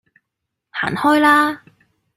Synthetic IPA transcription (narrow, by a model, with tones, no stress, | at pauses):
ha̰ː˨˩nhɔː˥jlaː˥